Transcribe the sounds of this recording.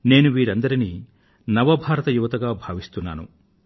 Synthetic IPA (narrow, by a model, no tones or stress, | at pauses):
ne̞ːnuʋiːɾɐnd̪ɐɾini | nɐʋɐbʱaːɾɐt̪ɐjuʋɐt̪ɐɡaːbʱaːʋist̪unːa̰ːnṵ